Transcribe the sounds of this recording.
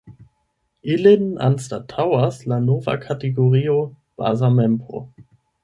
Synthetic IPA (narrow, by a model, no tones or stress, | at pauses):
ilina̰nstatʰawaslanova̰kʰateɡoʁio | b̥a̰zamɛmpo̰